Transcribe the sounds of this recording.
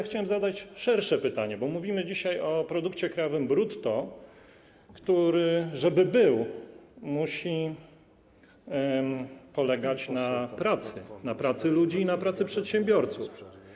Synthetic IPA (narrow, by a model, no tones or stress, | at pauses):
xt͡ɕawɛmzad̪at͡ɕʂɛɾʂɛpɘt̪aɲɛbɔmuvʲimɘd͡ʑiɕajɔpɾɔd̪ukt͡ɕɛkɾajɔvɘmbɾut̪ːɔ | kt̪uɾɘʐɛbɘbɘwmuɕi | pɔlɛɡat͡ɕnapɾat̪sɘnapɾat̪sɘlud͡ʑiːnapɾat̪sɘpʂɛt̪ɕɛmbʲjɔɾt̪suf